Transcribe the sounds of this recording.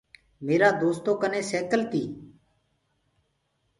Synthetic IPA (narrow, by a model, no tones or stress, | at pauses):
meːɾaːd̪oːst̪oːkənẽːseːkəlt̪iː